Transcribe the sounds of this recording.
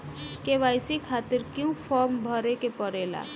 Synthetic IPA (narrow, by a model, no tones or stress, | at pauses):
keʋaːjsikʰaːt̪ɪɾkjũpʰɔɾmbʱəɾekepəɾela̰